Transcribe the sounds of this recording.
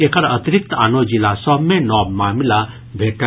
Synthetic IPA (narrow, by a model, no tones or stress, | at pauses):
ekəɾət̪iɾik̚t̪a̰nod͡ʒilasɔbmenɔbmaːmila | bʱeʈ